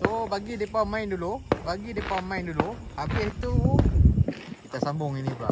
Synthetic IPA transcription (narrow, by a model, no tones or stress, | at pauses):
sobaɡidepawmaindulubaɡidepawmainduluhabɪst̪u | kit̪asambʊŋinibəla̰